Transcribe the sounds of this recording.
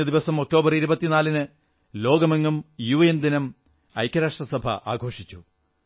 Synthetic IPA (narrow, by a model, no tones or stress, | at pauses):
ɐd̪iʋɐsɐmo̞k̚ʈo̞ːbɐriɾubɐt̪ːinaːlinɨ | lo̞ːɡɐmeŋːumjuːjend̪inɐm | ɐ̰jkʲːɐɾaːʂʈrɐsɐbʱɐ̰ʔa̰ːɡʱo̞ːʂit͡ɕːu